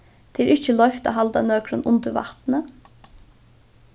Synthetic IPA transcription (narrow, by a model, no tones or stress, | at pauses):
t̪ʰɛɾʔɪht͡ʃəlɔjft̪a̰ɦalt̪a̰nœːkɾənʊnt̪əɾva̰ht̪nə